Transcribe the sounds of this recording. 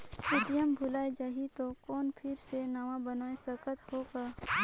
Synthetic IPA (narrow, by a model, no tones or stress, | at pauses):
sɪɖijəmbʱʊlaːed͡ʒaːɦit̪okɔːnpʰɪɾsenaʋãbɐnaːesɐkət̪hoːka